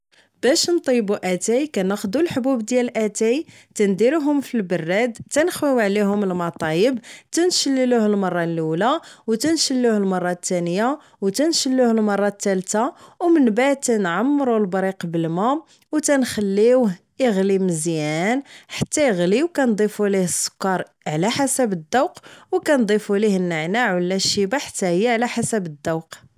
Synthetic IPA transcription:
b̥æʃnt̪ˤibuʔæt̪æjkænæxd̪ulħbubd̪jælʔæt̪æj | t̪ænd̪iɾuɦʊmfilbərˤːæd̪t̪ænəxwiwʕliɦʊməlmɑt̪ˤɑjəbt̪ænʃəlːiluhəlmɑrˤːɑlulawt̪ænʃəlːuhəlmɑrˤːɑt̪ːænəja | wt̪ænʃəlːuhəlmɑrˤːɑt̪ːælt̪awmənbaʕd̪̚t̪ænʕamːɾˤulbɾiqbəlmæ | wt̪ænxælːiwh | iɣliməzjænħḁt̪ːæjəɣliwkænd̪ˤifulihəsˤːʊ̥kːɑɾˤ | ʕlæħasæbəd̪ːəwqwkænd̪ˤifulihənːəʕnaʕwəlːæʃəbaħḁt̪ːæhəjːaʕlæħasæbəd̪ːəwq

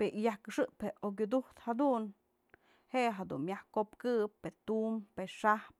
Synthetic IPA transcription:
peʔijahkɨʂɨʔpheʔʔok̬ʲud̪uht̪had̪un | heʔeɦad̪ṵnmjahkopkɨpːet̪umpeʂahp̚

